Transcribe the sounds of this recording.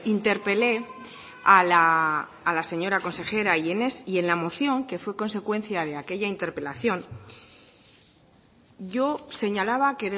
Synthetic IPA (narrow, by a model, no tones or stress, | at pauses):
int̪e̞ɾpe̞le̞ | alaː | lase̞ɲo̞ɾako̞nse̞xe̞ɾaienesie̞nlamo̞θjo̞ŋke̞fwe̞ko̞ns̬e̞kwe̞nθjað̞e̞ake̞ʝaint̪e̞ɾpe̞laθjo̞n | ɟ͡ʝo̞se̞ɲalaβake̞ðe